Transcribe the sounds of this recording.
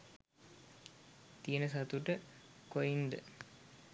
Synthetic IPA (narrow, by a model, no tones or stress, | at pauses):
t̪ijənəsɐt̪uʈəkojind̪ə̰